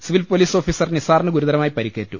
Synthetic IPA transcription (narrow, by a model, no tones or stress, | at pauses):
siʋilfpoliːso̞ːfiːsɐrnisaːrɳːɨɡuɾuðɐɾɐmaːjipɐɾikːeːtːu